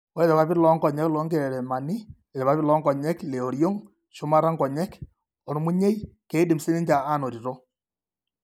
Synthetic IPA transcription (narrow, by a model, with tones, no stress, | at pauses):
ɔ˦le˦ɾɛ˨βa˦pɪ˦ɾlɔ˦ŋɡɔ˨ɲɛ˦klɔ˦ŋɡe˨ɾɛ˨ɾɛ˨ma˨nɪ˦ | e˨ɾɛ˨βa˦pɪ˦lɔ˦ŋɡɔ˨ɲɛ˦kle˨o˨ɾjo˦ŋ | ʃu˦ma˦ɾa˦ŋɡɔ˨ɲɛ˦k | ɔ˨n˦mu˦ɲe˦i˦ke˦di˨mse˦ne˦ɲd͡ʒa˨a˦˨no˨ɾi˨ɾo˦